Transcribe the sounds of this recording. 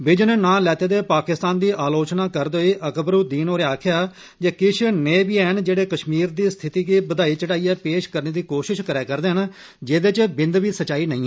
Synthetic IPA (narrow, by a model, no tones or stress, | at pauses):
bɪd͡ʒnnãːlɛːt̪eːd̪eːpaːkɪst̪aːnd̪iːʔaːloːt͡ʃnaːkəɾd̪oːiːʔəkbɾuːd̪iːnoːɾeaːkʰjaː | d͡ʒeːkɪt͡ʃʰneːbiːɛːɦənd͡ʒeːɽeːkəʃmiːɾd̪iːst̪ʰɪt̪iːkiːbəd̪aːiːt͡ʃəɽaːiːɛːpeːʃkəɾneːd̪iːkoːʃɪʃkəɾɛːkəɾd̪eːɦən | d͡ʒeːd̪eːt͡ʃbɪnd̪ʋiːsət͡ʃaːiːnəĩː